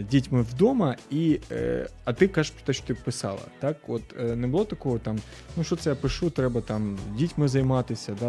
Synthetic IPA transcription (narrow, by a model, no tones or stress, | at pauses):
dʲitʲmɨvd̪omɐḭ | ɐt̪ɨkapt̪aʃot̪ɨpɨsɑ̰lˠɐ̰t̪akʋot̪nɛbɨlˠot̪ɐkoʋət̪am | nuʂot̪sɐjapɨʂut̪ɾɛbɐt̪amdʲitʲmɨzɐjmat̪ɪsʲɐd̪a